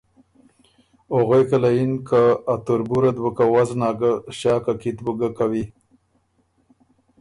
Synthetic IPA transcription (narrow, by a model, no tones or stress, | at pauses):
oɣojkalajinkaːt̪uɾbuɾad̪bəkawaznɑːɡaʃɑːkakit̪bəɡakawi